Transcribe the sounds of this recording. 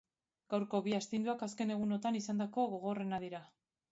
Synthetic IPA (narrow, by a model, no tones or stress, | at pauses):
ɡ̥awɾko̞βiast̪ind̪uakaske̞ne̞ɣ̞uno̞t̪anisand̪ako̞ɣo̞ɣ̞o̞re̞naðiɾa